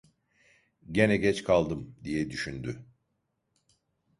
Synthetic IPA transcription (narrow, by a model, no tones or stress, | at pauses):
ɟenɛɟɛt͡ʃkʰalˠd̪ɯmd̪ijɛd̪yʃynd̪y